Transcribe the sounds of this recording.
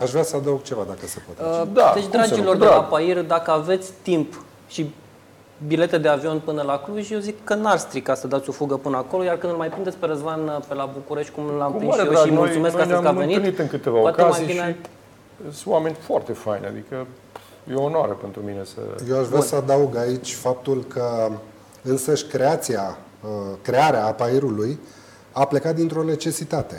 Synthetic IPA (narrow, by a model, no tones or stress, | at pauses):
aʃvɾasəad̪auɡ̚t͡ʃe̞vad̪akəsəpot̪əd̪ad̪et͡ʃd̪ɾad͡ʒilo̞rd̪eapairʲd̪akəave̞t̪sʲt̪imp | ʃi | bile̞t̪e̞d̪eavio̞npɨnəlakluʒʲjewzikːənarst̪ɾikasəd̪at̪sʲo̞fuɡəpɨnəako̞lo̞jarkɨnd̪ɨlmajpɾind̪esʲpe̞ɾəzvanpe̞labukuɾe̞ʃt̪ʲkumlampiʃeijoɾmult̪sumesk̪kast̪kamve̞nit̪ɨnit̪ɨŋkɨt̪evaopoatkeazmajijinei | swame̞nʲfoart̪efajnʲa̰d̪ikə | jeonoa̰ɾəpe̞nt̪ɾumine̞sə̰jewaʃvɾasəad̪auɡait͡ʃʲfap̚t̪ulkʰə | ɨnsəʃʲkɾe̞at̪sia | kɾe̞aɾeaːpaiɾuluj | aple̞kat̪̚d̪int̪ɾo̞ne̞t͡ʃe̞sit̪at̪e̞